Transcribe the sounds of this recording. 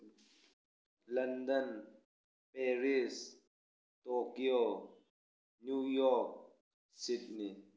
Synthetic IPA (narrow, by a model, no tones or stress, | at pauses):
lɐnd̪ən | pɛɾis | t̪okio | njujɔk̚ | sidni